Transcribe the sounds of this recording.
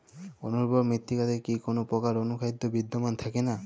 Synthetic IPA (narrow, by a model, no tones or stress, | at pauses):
o̰noɾbɔɾmɾit̪ːikat̪ekikonopɔkaɾonukʰajd̪ːobid̪ːomant̪ʰakena